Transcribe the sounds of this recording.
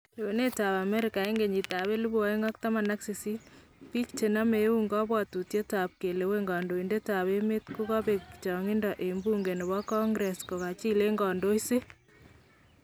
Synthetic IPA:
le˨e˨ne˦ta˨βa˨mɛ˦ɾɪ˨ka˨e˦ŋɡe˨ɲi˨ta˨βe˦lu˦bu˦a˦e˦ŋɔ˦k̚ta˦ma˨na˦kse˨si˦ | pi˦kt͡ʃe˨na˦me˨˦u˦ŋɡɔ˦bwa˨tu˨tje˦ta˨p̚ke˨le˨we˦ŋɡɔ˨ndo˨i˨nde˦ta˨βe˦me˦tku˦kɔ˦be˨t͡ʃɔ˨ŋɪ˦ndɔ˨ʔe˨mbu˦ŋɡe˨ne˨bɔ˦kɔ˦ŋɡɾɛ˨skɔ˨ka˨t͡ʃi˦le˦ŋɡɔ˨ndo˦ise˦

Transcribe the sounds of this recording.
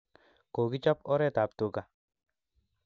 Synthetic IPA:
ko˨ɡi˦t͡ʃɔ˦pɔ˦ɾɛ˦t̪a˨p̚t̪u˨ka˨

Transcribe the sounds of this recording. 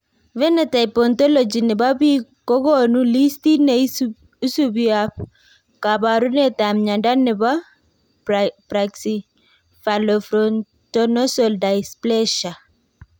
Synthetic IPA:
vɛ˦nɛ˨ta˨ipɔntɔ˦lɔ˨d͡ʒi˨nɪ˨ba˦bi˦kɔ˦ɡo˦nuli˦sti˦ne | u˦su˦bia | ka˨ba˨ɾu˦nɛ˦ta˨mɲa˨nda˦nɪ˨ba˦ | pɾaksi | fa˨lɔfɾɔn | tɔnɔ˦sɔ˨lda˨jsplɛ˦ʃa˨

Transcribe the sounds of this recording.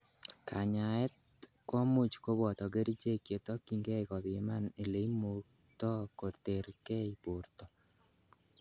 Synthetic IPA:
kʰa˨ɲa˨ɛ˦t̚ | kwɔ˦mu˦t͡ʃko˦βɔ˨tɔ˨ke˦ɾi˦t͡ʃe˦kje˨tɔ˦kiŋɡe˦ikɔ˨βi˨ma˦ne˨le˨imo˨k | tɔ˦ko˨te˨ɾkɛ˦ipurtɔ

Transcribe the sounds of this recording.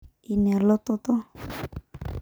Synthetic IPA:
i˨nɛ˨lɔ˦t̪ɔ˦t̪ɔ˦

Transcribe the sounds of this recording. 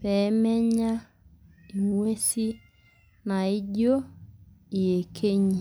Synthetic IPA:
pɛ˨˦mɛ˦ɲa˦ | i˨mwe˦si˦ | na˨i˦ɟo˦ | i˨e˨kʰe˦ɲi˨

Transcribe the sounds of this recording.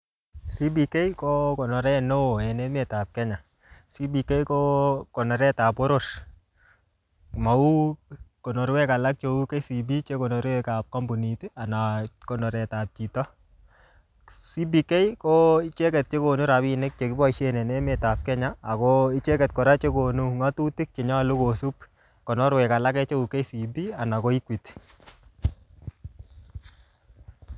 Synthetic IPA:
si˦bi˨ke˦jkɔ˦kɔ˨nɔ˨ɾɛ˦no˦˨ɛ˨nɛ˦me˨ta˨p̚kɛ˦ɲa˨ | si˦bi˨ke˦jkɔ˦kɔ˨nɔ˨ɾɛ˦ta˨po˦ɾo˦ɾ | ma˨u˦kɔ˨nɔ˨ɾwɛ˦ka˨la˦k̚t͡ʃo˨u˦ke˦si˨bi˦t͡ʃe˦kɔ˨nɔ˨ɾwɛ˦ka˨p̚ka˦mbu˨ni˨te˦a˨na˨kɔ˨nɔ˨ɾɛ˨ta˨p̚t͡ʃi˨tɔ˦ | si˦bi˦kɛ˦jkɔ˦i˦t͡ʃe˦kɛ˨t̚t͡ʃe˦ko˨nu˦ɾa˨bi˨ne˦k̚t͡ʃe˨kɪ˦bɔ˦iʃe˦nɛ˨nɛ˦me˨ta˨p̚kɛ˦ɲaː˦˨kɔ˦i˦t͡ʃe˦kɛ˨t̚kɔ˨ɾa˦t͡ʃe˦ko˨nu˦ŋa˦tu˦ti˦k̚t͡ʃe˨ɲa˦˨lo˦ko˨su˦p̚ | kɔ˨nɔ˦ɾwɛ˨ka˨la˦kɛ˦t͡ʃe˦u˨ke˦si˨bi˦a˨na˨kɔ˦i˦kwi˨t

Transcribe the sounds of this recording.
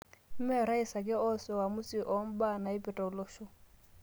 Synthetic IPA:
m̩˦mɛ˦ɔ˨ɾa˦i˨sa˨kʼɪ˦ɔ˦sɔ˨wa˨mʊ˦si˨ʔo˦m̩˦ba˦na˨i˦pʼɛ˨tʼɔ˨lɔː˦ʃɔ˦

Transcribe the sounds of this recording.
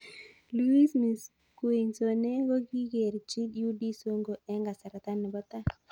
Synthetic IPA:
lu˦i˦smi˨s | kwe˨ɲso˨ne˦ɡo˦ɡi˦ɡe˨ɾt͡ʃi˦dju˦di˦so˦ŋɡo˨ɛ˦ŋɡa˨sa˨ɾa˨t̪a˦nɛ˨bɔ˦t̪a˦

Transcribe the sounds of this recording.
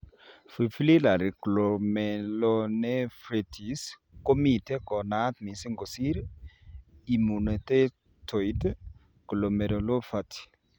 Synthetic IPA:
fi˨fli˦la˨ɾi˨klo˨mɛ˨lɔnɛ˦fɾe˨tʰi˨s | ko˦mi˨te˦kɔ˨na˦t̪mi˨si˦ŋɡo˨si˦ɾ | i˨mu˨ne˨te˦ | tʰo˨i˦t | klo˨me˨ɾo˨lo˦fa˦ti̥˨

